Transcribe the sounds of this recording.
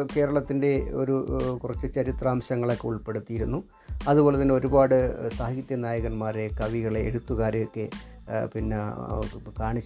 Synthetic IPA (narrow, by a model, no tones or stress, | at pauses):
ke̞ːɾɐɭɐt̪ːinde̞o̞̰ɾukurɐt͡ɕːɨt͡ɕɐɾit̪raːmɕɐŋːɐɭo̞kːeuɭpe̞ɽut̪ːijiɾunːu | ɐðuboːle̞t̪ːɐnːeo̞ɾubaːɽɨsaːɦɐɡɐt̪jɐnaːjɐɣɐnmaːɾe̞kɐʋiɣɐɭeḛɽut̪ːuɣaːɾejokːe̞pinːe | kaːɳit͡ɕː